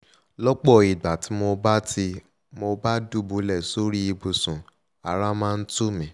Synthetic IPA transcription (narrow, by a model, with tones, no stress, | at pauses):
lɔ˦k͡pɔ˦˨i˨ɡ͡ba˨tʰi˨˦mo˧ba˦ti˧ | mo˧ba˦du˦˨bo˨˦lɛ˦˨so˦ɾi˦i˧bo˧˨sũ˨ | a˨ɾa˦mãː˦˧n̩˦tu˦mĩ˨˦